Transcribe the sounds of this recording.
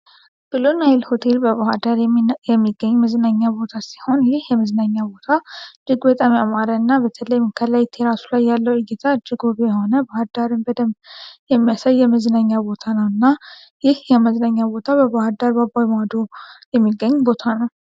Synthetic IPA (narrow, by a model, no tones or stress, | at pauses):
b̥ɨlonajlho̞t̪ʰe̞lbəβahad̪aɾjɛmːiɡːəɲːməznaɲːabo̞t̪ʰasi̥ho̞njɪhjɛməznaɲːabo̞t̪ʰad͡ʒɨɡbət̪ʼamiamaɾəɨnːabət̪ʰələjmkʰəlajt̪ʰeɾasulajːalːəwɨɡɪt̪ʰad͡ʒɨɡubjɛho̞nəbahad̪aɾɨnbəd̪əmjɛmːijasajːɛməznaɲːabo̞t̪ʰanəwɨnːa | jɪhjɛməznaɲːabo̞t̪ʰabəβahad̪aɾbabawimad̪ojɛmːiɡːəɲːbo̞t̪ʰanəw